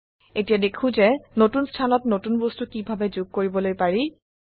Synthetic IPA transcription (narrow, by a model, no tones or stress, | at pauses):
etijadekʰʊ̃zɛnotunstʰanɔtnotunbɔstukibʱabɛzuɡ̚koɹibɔlojpaɹi